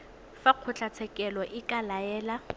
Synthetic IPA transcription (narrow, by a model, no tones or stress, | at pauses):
faq͡χʰʊt͡ɬʰat͡sʰɛkʼɛlɔʔɪkʼalaɛːla